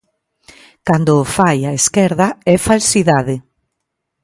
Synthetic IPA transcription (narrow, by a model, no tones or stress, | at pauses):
kand̪ʊfajaeskɛɾðaɛfalsiðaðɪ